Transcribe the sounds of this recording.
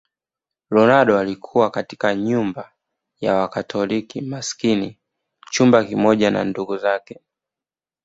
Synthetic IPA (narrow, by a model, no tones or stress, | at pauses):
lɔnaɗɔalikʰuwakatikaɲumba | jawakatʰɔlikimaskini | t͡ʃumbakimɔʄana̰nduɡuzakɛ